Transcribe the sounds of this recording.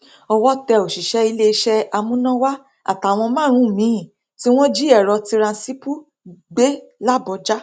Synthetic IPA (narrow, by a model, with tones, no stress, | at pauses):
ɔ˧wɔ˦tɛ˧o˨ʃi˨ʃɛ˨˦i˧le˦i˧ʃɛ˦a˧mũ˦nã˦wa˦ | a̰˨ta˨˦˨w̃ɔ̃˧mã˦ɾ̃ũ˨˦˨mĩ˨˦ĩ˦˨ | ti˦w̃ɔ̃˦d͡ʒi˦ɛ˦˨ɾɔ˧ti˧ɾã˧si˦pu˦ | ɡ͡be˦la˦bɔ˧˦d͡ʒa˦